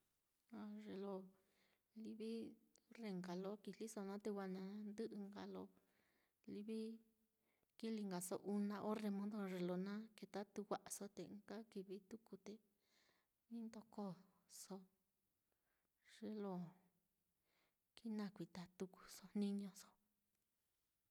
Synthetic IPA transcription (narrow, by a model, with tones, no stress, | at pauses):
a˧ʐe˧lo˧ | li˦βi˦re˧ŋɡa˨lo˧˦ki˧li˦so˧nã˦t̪e˧wʷa˧nã˧˦nd̪ɨ˦ʔɨ˧ŋɡa˧lo˧ | li˦βi˦ | ki˦li˧ŋɡa˨so̰˧ʔu˧nã˧ʔo˦re˧mõ˦nd̪o˧ʐe˨lo˧nã˦ke˧t̪a˦t̪u˧wʷa˧ʔa˧so˧t̪ẽ˧ɡa˦ki˧βi˧t̪u˦ku˧t̪e˨ | nĩ˦nd̪o˧ko˦ | so˦ | ʐ̥e˧lo˧˨ | ki˦nã˧˨kʷi˨t̪a˨t̪u˧ku̥˧so˧nĩ˦ɲõ˧so̥˧˨